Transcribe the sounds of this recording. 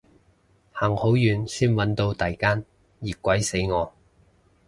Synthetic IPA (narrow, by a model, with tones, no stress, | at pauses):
haː˨˩ŋho˨˥wjyː˨˧nsyː˥nwɐ˨˥nt̪o˧wt̪aː˨˩jkaː˥n | jiː˨˩kʷwɐ˨˥jse˨˥jŋɔː˨˧